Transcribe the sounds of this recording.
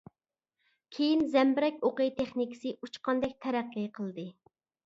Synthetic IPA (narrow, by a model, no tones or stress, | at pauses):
kʲʰejinzɛmbɪɾɛkʲoqəjt̪ʰeχnikʲɪ̥sɨʔut͡ʃqɑnd̪ɛk̚ʲt̪ʰɛɾæqːəjqʰəlˠd̪ɨ